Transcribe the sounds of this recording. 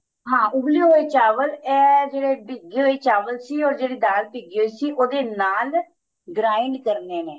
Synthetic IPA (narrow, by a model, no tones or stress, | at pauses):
ɦãːʔʊbliːɦoːeːt͡ʃaːʋəlɛːd͡ʒeːɽeːbiɡːɦoːeːt͡ʃaːʋəlsiːɔːɾd͡ʒeːɽiːd̪aːlpiɡiɦoːiːsiːʔoːd̪eːnaːl | ɡɾaːɪɳɖkəɾneːneː